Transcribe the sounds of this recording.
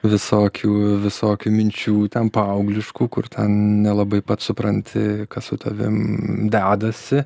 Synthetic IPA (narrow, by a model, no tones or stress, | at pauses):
ʋʲɪsoːkʲʰuːʋʲɪsoːkʲuːmʲɪnʲt͡ʃʲuːt̪ʲɛnpɐɐʊɡlʲɪʃkuːkʊrt̪ʰʲɛnnʲɛlˠɐbɐɪpɐt̪sʊpɾɐnʲt̪ʲɪkɐt̪sʊt̪ʰɐʋʲɪ̰md̪ʲæːd̪ɐsʲɪ